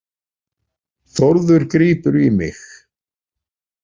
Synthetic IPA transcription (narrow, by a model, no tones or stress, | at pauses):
θoɾðʏɾkɾiːpʏɾimɪx